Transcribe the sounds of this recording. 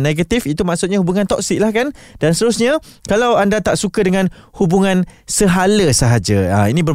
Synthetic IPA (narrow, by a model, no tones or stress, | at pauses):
neɡat̪ifit̪umaʔsut̪̚ɲahubuŋant̪ɔk̚sɪk̚lahkand̥anst̪əɾusɲã | kalawandat̪aʔsukadəŋãnhubuŋãnsəɦaləsəɦad͡ʒaəinĩbə